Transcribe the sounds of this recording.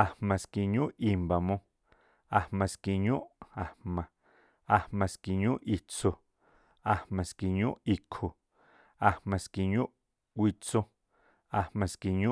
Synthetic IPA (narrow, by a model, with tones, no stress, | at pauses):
a˧hmã˨ski˧ɲũ˦ʔʔi˧mba˨mõ˧ | a˧hmã˨˧ski˧ɲũ˦ʔa˨hmã˨ | a˧hmã˨˧ski˧ɲũ˦ʔʔi˧t͡so˧ | a˨hmã˨ski˧˨ɲũ˦ʔi˧kʰo˨ | a˨hmã˨ski˧ɲũ˦ʔ | kʷi˧t͡so˦ | a˧hmã˨˧ski˧ɲũ˦